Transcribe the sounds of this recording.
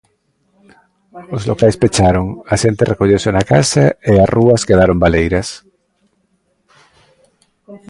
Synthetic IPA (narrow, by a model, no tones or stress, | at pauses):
ozlokajspet͡ʃaɾoŋaʃent̪erekoʎewsenakasaearʔuaskeðaɾombalejɾas